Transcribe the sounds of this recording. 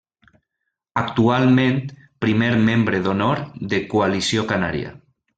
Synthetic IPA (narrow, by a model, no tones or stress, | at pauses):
ak̚t̪ualˠmẽnt̪ | pɾimeɾmẽmbɾeðonoɾðekualisjokana̰ɾj̰a̰